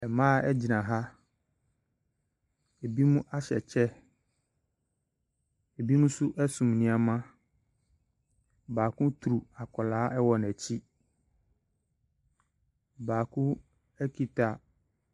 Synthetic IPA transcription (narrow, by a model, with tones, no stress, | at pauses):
ɛ˨mãː˦ɛ˦d͡ʑi˨nã˨ɦa˦ | e˨bi˦mũ˦ʔa˦ɕɛ˨t͡ɕʰɛ˦ | e˨bi˦mũ˦sʊ˦ʔɛ˦sũ˨mnɪ̃˦a˨mã˦ | baː˨kʰʊ̃˦tʰu˨ɾu˨a˨kʰɔ˨laː˨˦ʔɛ˦wɔ˨n˨æ˨t͡ɕʰi˦ | baː˨kʰʊ̃˦ | ɛ˦kʰi˨tʰa˨